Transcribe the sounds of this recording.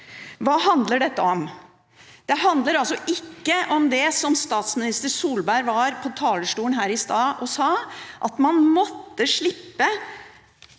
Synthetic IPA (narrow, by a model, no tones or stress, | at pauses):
ʋɑːhɑnd̪ləɖɛt̪ːəɔm | d̪̥ɛɦɑnd̪ləɾɑlsɔʔɪkːəʔɔmd̪ɛsɔmst̪ɑːt̪smɪnɪst̪əɾsuːlbæɾʋɑːɾpʰɔt̪ʰɑːləʂʈuːənɦæːɾɪst̪ɑːʔɔsɑːʔɑt̪mɑnmɔt̪ːəʂɭɪpːə